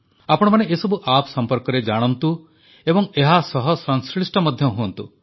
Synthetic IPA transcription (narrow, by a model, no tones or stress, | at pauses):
apɔɽ̃ɔmaneesɔbuʔapsɔmpɔɾkɔɾed͡ʒaɽ̃ɔnt̪u | ebɔŋeɦasɔɦɔsɔŋskɭisʈɔmɔd̪ʱjɔɦuɔnt̪u